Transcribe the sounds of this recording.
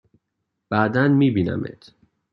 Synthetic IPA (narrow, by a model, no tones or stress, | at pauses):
b̥æːd̪ænmiːbiːnæ̰mḛt̪ʰ